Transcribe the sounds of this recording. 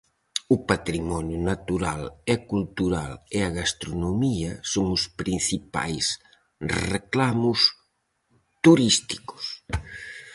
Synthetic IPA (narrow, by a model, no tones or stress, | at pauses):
ʊpat̪ɾimɔnjʊnat̪uɾalɛkult̪uɾalɪɐɣast̪ɾonomiɐsoŋʊspɾinθipa̰js | reklamʊs | t̪uɾist̪i̥kʊ̥s